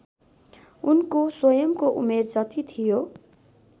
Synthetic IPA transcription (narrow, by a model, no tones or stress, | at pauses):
unkoswʌjʌmkoʔṵmerd͡zʌt̪it̪ʰijo